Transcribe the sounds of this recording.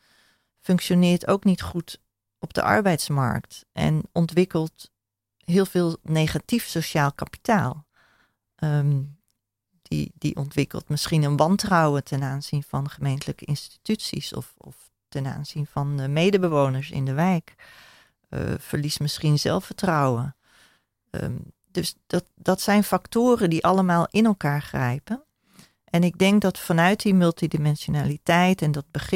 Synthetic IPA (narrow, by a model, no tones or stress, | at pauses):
fɵŋkʃonɪːɹto̰wknitχut | ʔɔb̚də̰ʔɑ̰ɹbɛjtsmɑ̰ɹktʔɛ̰nɔntʋɪkəlˠt | ɦɪːlˠv̥ɪːlˠnejχatifsoʃaːlˠkapi̥taːlˠ | ə | d̥ḭdḭʔɔntʋɪkə̰lˠtmɪsχinənʋɑntrɑwətɛnaːnzinv̥ɑnχəmejntələkəɪnsti̥tytsḭsɔ̰fɔ̰f | tɛna̰ːnz̥invɑnmejdəbəʋownəɹsɪ̰ndəʋɛjk | fəɹlismɪsχinzɛ̰lˠfətrɔwə | døsdd̥ɑtsɛjnfɑktoːrəndiʔɑləmaːlˠɪnɛlˠkaːɹχrɛjpən | ʔɛnɪɡ̚dɛŋk̚dɑtfɑnœɥt̚dimɵlˠtidimɛnsonaːlitɛjtɛndɑd̚bəχ